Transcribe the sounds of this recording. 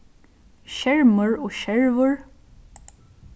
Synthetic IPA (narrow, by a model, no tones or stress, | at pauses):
ʃɛɹməɹɔːʃɛɹvʊɹ